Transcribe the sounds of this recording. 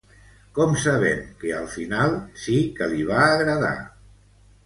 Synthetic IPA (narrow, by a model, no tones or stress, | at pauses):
kɔmsəβɛmkəəlˠfinalˠsikəliβ̞aːɣɾəða̰